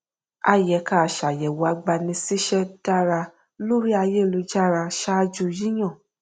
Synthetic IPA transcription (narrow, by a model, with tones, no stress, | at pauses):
a̰˧jɛ˨˦ka˨ʃa˨jɛ˨wo˨a˧ɡ͡ba˧nĩ˧si˦ʃɛ˦d̥a˦ɾa˧ | lo˦ɾi˦a˧je˦˨lo˧d͡ʒa˦˨ɾa˧ʃa˦d͡ʒu˦˧ji˦j̃ã˦˨